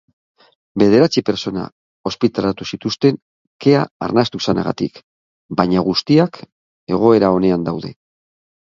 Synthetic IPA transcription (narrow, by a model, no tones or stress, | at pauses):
be̞ð̞e̞ɾat͡sipe̞ɾso̞na̰ | o̞spit̪alat̪usit̪ust̪e̞ŋ | ke̞aːɾnast̪usana̰ɣa̰t̪ik | baɲaɣ̞ust̪iak | e̞ɣ̞o̞e̞ɾao̞ne̞and̪awðe̞̰